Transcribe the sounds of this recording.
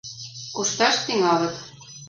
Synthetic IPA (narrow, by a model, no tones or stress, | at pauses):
kuʃt̪ɑʃt̪iŋɑlɤ̆t̪